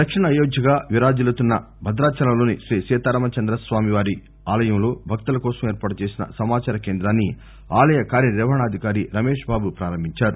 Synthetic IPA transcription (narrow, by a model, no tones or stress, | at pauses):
d̪ɐkʂiɳɐːjoːɡjɐɡaːʋiɾaːd͡ʒilɐt̪unːɐ | bʱɐd̪ɾaːt͡ʃɐlɐmlo̞ːniʃɾiːsɛːt̪aːɾɐmɐt͡ʃɐnd̪ɾɐsʋaːmiʋaːɾi | aːlɐjɐmloːbʱɐk̚t̪ulɐkɔːsɐmeːɾpaːʈut͡ʃe̞ːsinɐ̰sɐmaːt͡ʃaːɾɐkeːnd̪ɾaːnːi | aːlɐjɐkaːɾjɐɾɛːʋɐɳaːɐd̪ʱikaːɾiɾɐmeːʂbaːbupɾaːɾɐmbʱiɲt͡ʃaːɾu